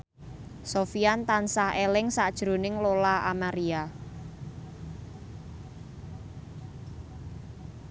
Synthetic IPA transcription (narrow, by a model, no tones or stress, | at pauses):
sofiant̪ansahelɪŋsad̥ʒ̥ɾonɪŋlolaʔa̰maɾia